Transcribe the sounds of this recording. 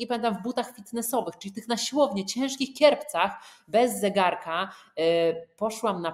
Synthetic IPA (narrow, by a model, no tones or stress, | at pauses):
ɛpamʲɛ̃nt̪amvbut̪axfʲit̪nɛsɔvɘxt͡ʂɘlʲit̪ɘxnaɕiwɔvɲɛt͡ɕɛ̃w̃ʂkʲixkʲjɛɾpt̪saxbɛzːɛɡaɾka | pɔʂwamna